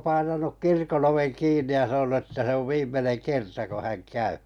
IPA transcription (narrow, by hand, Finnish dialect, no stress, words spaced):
pɑinɑnuk kirkon oʋeŋ kiːnˑi jɑ sɑnonu etːæ se oʋ ʋiːmˑeneŋ kertɑ ko hæŋ kæy